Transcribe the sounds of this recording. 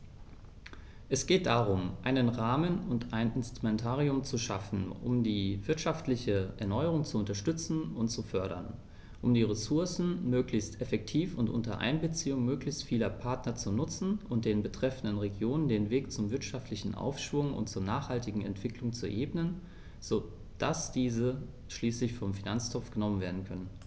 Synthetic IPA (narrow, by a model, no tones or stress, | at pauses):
ʔɛsɡ̥eːt̚d̥aːʁ̞ʊmʔaɪnənʁaːmənʊntaɪnʔɪnstʁ̥umɛntʰaːʁiʊmt͡suʃafn̩ʔʊ̰mdiːvɪɐtʃaftlɪçəʔɛɐnɔʏəʁ̞ʊŋt͡suʊntɐʃtʏt͡sn̩ʊntt͡sufœɐɾɐ̰n | ʔʊmdiːʁesʊɐsn̩møːklɪçstɛfɛk̚tʰiːfʊntʔʊ̰ntɐʔa̰ɪnbət͡siːʊŋmøːklɪçstfiːlɐpʰaɐtnɐt͡sunʊt͡sn̩ʔʊnt̚d̥eːnbətʁ̥ɛfn̩dənʁeɡjoːnəndeːnveːkt͡sʊmvɪɐtʃaftʰlɪçn̩ʔa̰ʊfʃv̥ʊŋʊ̰ntt͡suːɐnaːχhaltɪɡŋ̩ɛ̰ntv̥ɪklʊŋt͡suʔeːbnən | z̥oː | d̥asd̥iːzə | ʃliːslɪçfɔmfinant͡stʰɔp͡fɡ̥ənɔmənveːɐdn̩kʰœnən